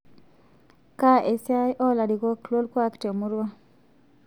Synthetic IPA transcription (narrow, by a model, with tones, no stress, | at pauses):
ka˦ʔe˨sja˦jʔɔ˦la˨di˨ɣo˦klo˦lkwa˦kte˨mu˦ɾwa˦